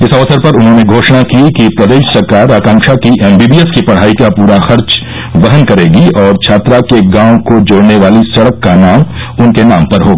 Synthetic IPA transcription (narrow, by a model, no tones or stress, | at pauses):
ɪsɐʋəsəɾpɐɾʊnɦõːneɡʱoːʃnakiekipɾɐd̪eːʃsɐɾkaːɾaːkãːŋkʃakiʔɛːmbiːbiːeskipɐɽ̤aːikapuːɾaxɐɾt͡ʃ | ʋɐɦənkɐɾeːɡiɔːɾt͡ʃʰaːt̪ɾakeɡãːõkod͡ʒoːɽneʋaːlisɐɽəkːanaːmʊnkenaːmpɐɾɦoːɡaː